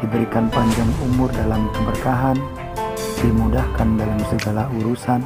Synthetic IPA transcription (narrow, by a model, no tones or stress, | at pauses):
d̥ibəɾikanpaɲd͡ʒaŋumʊrdalamkəmərkaɦan | dimudahkandalamsəɡalauɾusan